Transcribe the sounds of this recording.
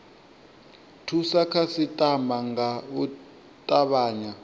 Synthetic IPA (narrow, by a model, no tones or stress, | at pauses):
tʰusakʰasitʼamaŋɡau | tʼaβaːɲa